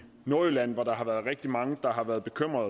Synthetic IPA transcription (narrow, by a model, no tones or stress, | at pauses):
no̝ɐilæn̰ʋɑ̈ɾ̥ɑ̈ɦɑ̈ʋæɐðˠʁɛɡ̥̚d̥imɑ̈ŋəd̥ɑ̈ɦɑ̈ʋæɐð̞̩ˠb̥e̝kʰøm̰ʁɐðˠ